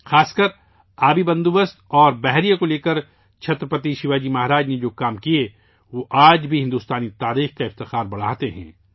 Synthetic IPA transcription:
xaːskəɾ | aːbibɐ̃nd̪ubəst̪ɔːɾbɛɦɾijakoleːkəɾ | t͡ʃʰɐt̪ɾəpət̪iʃɪʋaːd͡ʒimaːɦɾaːd͡ʒned͡ʒoːkaːmkie | ʋoʔaːd͡ʒbʱiɦɪ̃nd̪uːst̪aːnit̪aːɾiːxkaɪft̪ɪxaːɾbɐɽ̤aːt̪eɦɛ̰̃ː

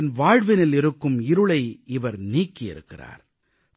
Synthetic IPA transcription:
nʋaːɻʋɪnɪlɪɾɯkːɯmɪɾɯɭɐɪɪʋɐɾniːkːɪɪ̰ɾɯ̰kːɪ̰ra̰ːɾ

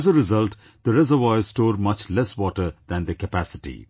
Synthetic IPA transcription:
æzəɾɪzʌlʈ | d̪əɾɛzəɾʋazsʈoːɾmʌt͡ʃlɛswɔːʈəɾd̪æ̃nd̪əkəpæsɪ̥ʈḭ

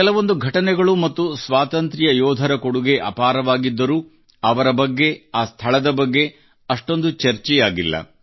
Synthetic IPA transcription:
ɛlɐʋo̞nd̪uɡʱɐʈɐnɛɡɐɭumɐt̪ːusʋaːt̪ɐnt̪ɾijɐjɔːd̪ʱɐɾɐkoɽuɡe̞ʔɐ̰paːɾɐʋaːɡid̪ːɐɾuː | ɐʋɐɾɐbɐɡːe̞aːst̪ʰɐɭɐd̪ɐbɐɡːe̞ | ɐʂʈo̞nd̪ut͡ʃɐɾt͡ʃɛjaːɡilːɐ̰

